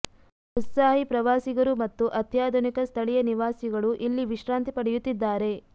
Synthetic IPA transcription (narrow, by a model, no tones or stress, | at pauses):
ɦut̪saːɦipɾɐʋaːsiɡɐɾumɐt̪ːuʔɐt̪ʰjaːd̪ʱɔnikɐst̪ʰɐɭɛjɐniʋaːsiɡɐɭuʔilːiʋiʃɾaːnt̪ipɐɽejut̪ːid̪ːaːɾe̞